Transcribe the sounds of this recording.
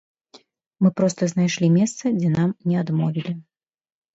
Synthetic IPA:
mɨpɾɔst̪ɐznajʂlʲimʲɛst̪sɐd͡zʲɛnamnʲɛad̪mɔvʲilʲi

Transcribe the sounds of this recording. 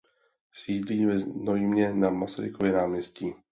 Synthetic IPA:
siːdliːvɛznojimɲɛnamasaɾɪkovjɛnaːmɲɛsciː

